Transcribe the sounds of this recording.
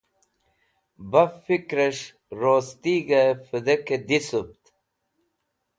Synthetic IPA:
bɐfikɾɐʂ | ɾoːst̪iɡɐfɨd̪ɐked̪isup̚t̪

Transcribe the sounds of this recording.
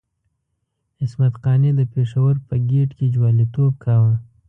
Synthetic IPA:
ɪsmat̪qɑned̪əpeʂawəɾpəɡeʈked͡ʒwɑlit̪ob̚kawa

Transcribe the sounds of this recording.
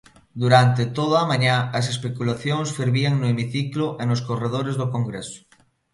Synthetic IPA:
d̪uɾant̪et̪oð̞aamãɲaɐs̬espekulaθjoŋsfiɾβiaŋnoemiθikloʔenoskoreð̞oɾezðokoŋɡɾeso̥

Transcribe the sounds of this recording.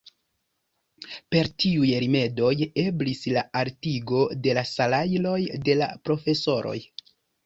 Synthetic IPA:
pe̞ɾtiujɾime̞do̞je̞blislaaɾtiɡo̞de̞lasalajlo̞jde̞la̰pɾo̞fe̞so̞ɾo̞̰j

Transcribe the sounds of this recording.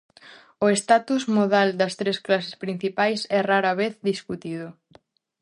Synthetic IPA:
ʊest̪at̪uzmoðald̪ɐst̪ɾesklasespɾin̟θipajsɛraɾɐβeθðiskut̪iðʊ

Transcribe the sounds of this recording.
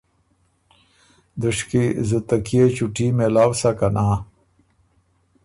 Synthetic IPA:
d̪əʂkizət̪ɐkiet͡ɕuʈimelaːwsakɐnaː

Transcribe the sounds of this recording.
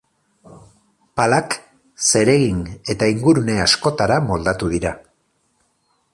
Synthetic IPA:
palak | se̞ɾe̞ɣine̞t̪aiŋɡuɾune̞asko̞t̪aɾamo̞ld̪at̪uðiɾa

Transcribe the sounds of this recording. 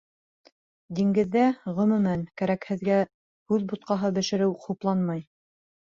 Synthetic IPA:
d̪iŋɡɘ̆ðːæʁɵ̆mɵ̆mænkæɾækhɘ̆ðɡæ | hʉðbut̪̚qɑɦɤbɘ̆ʃɘ̆ɾɘwquplˠɑnmɑj

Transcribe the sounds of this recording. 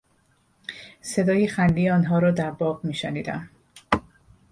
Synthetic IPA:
se̞d̪ɒːjexænd̪iːɒːnɦɒːɾɒːd̪æɾbɒːʁmiːʃeniːd̪æ̰m

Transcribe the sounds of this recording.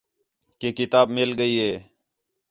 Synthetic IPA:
keːkɪt̪aːbmɪlɡəiːɦeː

